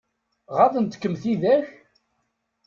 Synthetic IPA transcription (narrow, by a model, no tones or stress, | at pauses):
ʁaθənt̪kːəmθiðæç